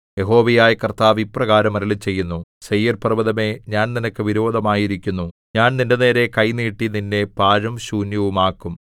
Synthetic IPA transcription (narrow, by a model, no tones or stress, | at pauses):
je̞ɦo̞ːʋɐjaːjɐkɐrt̪aːʋipːrɐɣaːɾɐmɐɾɐlit͡ɕːe̞jːunːusɐjjːɐrpɐrɐʋɐðɐme̞ɲaːnninɐkːɨʋiɾo̞ːd̪ɐmaːjiɾikʲːunːu | ɲaːnnindene̞ːɾe̞kɐjniːʈːininːe̞paːɻɐmɕuːnjɐʋumaːkːum